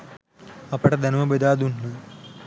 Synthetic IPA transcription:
ɐpɐʈɐd̪ɐnumɐbed̪aːd̪unːɐ

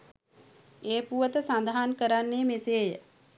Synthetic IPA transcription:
eːpuʋət̪əsand̪aɦankəɾanːeːmiseːjə

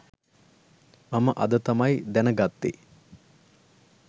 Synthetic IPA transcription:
maməʔɐd̪ət̪amajd̪ænəɡat̪ːi

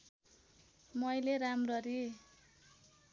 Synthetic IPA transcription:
mʌjleɾamrʌɾi

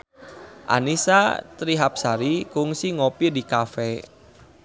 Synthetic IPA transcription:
ʔa̰nisat̪ɾiɦap̚saɾikʊŋsiŋopidikafɛ

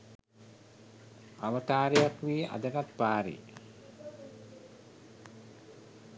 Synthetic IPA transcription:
aʋət̪aːɾejakʋiːa̰d̪əɡat̪paːɾḭ

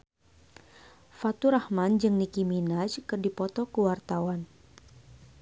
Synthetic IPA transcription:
fat̪uɾahmand͡ʒɨŋnikiminad͡ʒkɨrdipɔt̪ɔkəwart̪awan

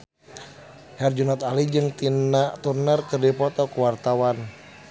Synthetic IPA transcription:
hɛrd͡ʒunat̪alid͡ʒɨŋt̪inaʔt̪urnərkɨrdipɔt̪ɔkuwart̪awan

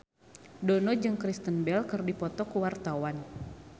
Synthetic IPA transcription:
dɔnɔd͡ʒɨŋkɾist̪ənbɛlkərdipɔt̪ɔkuwart̪awan

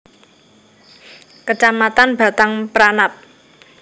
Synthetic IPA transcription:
kət͡ʃamat̪anb̥a̤t̪aŋpəɾanap̚

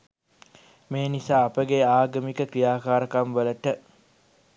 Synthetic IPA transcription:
meːnisaːɐpəɡeaːɡəmikəkɾijaːkaːɾəkamʋələʈə

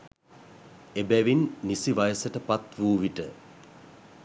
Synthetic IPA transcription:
ebæʋinːisiʋajəsəʈəpat̪ʋuːʋiʈə

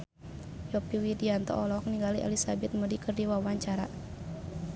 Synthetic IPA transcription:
jɔpiwidiant̪ɔ̰ʔɔlɔk̚niŋɡaliʔa̰lisabɛt̪̚mədikərdiwawaɲt͡ʃaɾa

